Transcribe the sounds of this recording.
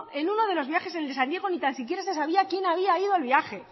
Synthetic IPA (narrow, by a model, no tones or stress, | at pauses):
e̞nuno̞ð̞elo̞zβjaxe̞seleand̪je̞ɣ̞o̞nit̪ansik̬je̞ɾase̞saβiakje̞naβ̞iaiðoalβjaxe̞